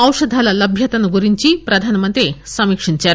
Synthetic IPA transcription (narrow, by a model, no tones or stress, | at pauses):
ɐwʂəd̪ʱalaləbʱjət̪ɐnuɡuɾiɲt͡ɕiːpɾəd̪ʱanmənt̪ɾisɐmikʂint͡ɕa